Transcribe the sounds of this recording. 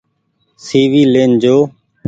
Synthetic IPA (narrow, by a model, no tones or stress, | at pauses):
siːʋiːleːnd͡ʒoː